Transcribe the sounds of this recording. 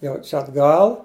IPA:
ˈjɛʊ ˈt͡ʃʲɛ ɐdˈɡɐlˠ

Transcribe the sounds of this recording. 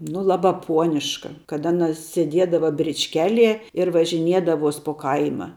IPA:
nʊ ˈlˠɑːbɑː ˈpuɔnʲɪʃkɐ kɐt ˈɑːˌnɐ sʲeːˈdʲiɛdɐʋɐ bʲrʲɪt͡ʃʲˈkʲæːˌlʲiɛ ɪr ʋɐʒʲɪˈnʲiɛdɐʋoːs poː ˈkɐɪmɐ

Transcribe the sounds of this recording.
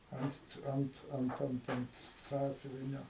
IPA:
ˈɐnt ˈɐnt ˈɐnt ˈɐnt ɐnt ˈsɑːsʲʊʋʲɪnʲoː

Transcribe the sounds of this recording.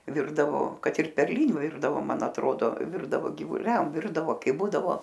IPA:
ˈʋʲɪrdɐʋoː ˈkɐt ɪr pʲɛrʲˈlʲɪnʲʊ ˈʋʲɪrdɐʋoː ˈmɐn ɐtˈroːdoː ˈʋʲɪrdɐʋoː ɡʲɪʋʊˈlʲɛm ˈʋʲɪrdɐʋoː ˈkɐɪ ˈbuːdɐʋoː

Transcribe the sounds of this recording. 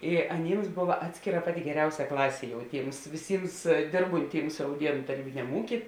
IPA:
ɪ ɐˈnʲiːms ˈboːʋɐ ˈɑːtʲsʲkʲeːˌrɐ ˈpɑːˌtʲɪ ɡʲɛˈrʲɛʊsʲɛ ˈklˠɑːsʲeː jɛʊ ˈtʲiːms ʋʲɪˈsʲiːms ˈdʲeːrbʊnʲˌtʲiːms rɐʊˈdʲiɛnʊ tɐˈrʲiːbʲɪnʲɛm ˈuːkʲiː

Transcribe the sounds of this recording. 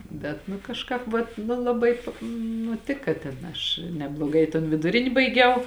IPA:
ˈbʲɛt nʊ kɐʃˈkɑːp ʋɐt nʊ lˠɐˈbɐɪ ˈnʊ ˈtʲɪkɐ tʲɛn ˈɐʃ nʲɛblˠoːˈɡɐɪ ɪ toːn ʋʲɪdʊˈrʲɪnʲɪ bɐɪˈɡʲɛʊ

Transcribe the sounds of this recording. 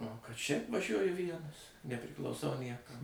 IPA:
oː kɐt ʃʲɛɪp ʋɐˈʒʲuɔjʊ ˈʋʲiɛnɐs nʲɛpʲrʲɪklˠɐʊˈsɐʊ ˈnʲiɛkɐm

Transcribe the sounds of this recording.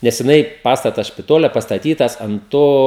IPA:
nʲɛs jɪˈnɐɪ ˈpɑːstɐtɐs ʃʲpʲɪˈtoːlʲɛ pɐstɐˈtʲiːtɐs ɐnt ˈtoː

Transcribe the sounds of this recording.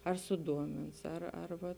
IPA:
ɐr sʊˈduɔmʲɪns ɐr ɐr ˈʋɐ

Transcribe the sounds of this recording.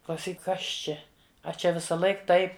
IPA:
klˠɐʊˈsʲiːk ˈkɐs ˈt͡ʃʲɛ ɐ ˈt͡ʃʲɛ ʋʲɪsɐˈlˠɐɪk ˈtɐɪp

